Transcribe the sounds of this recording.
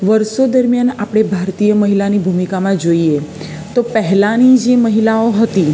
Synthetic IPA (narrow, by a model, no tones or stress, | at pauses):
ʋəɾʃod̪əɾmjanapɽ̃ebʱaɾt̪ijəməɦilanibʱumikamãd͡ʒoie | t̪opəɦɛlãnid͡ʒeməɦilaoɦət̪i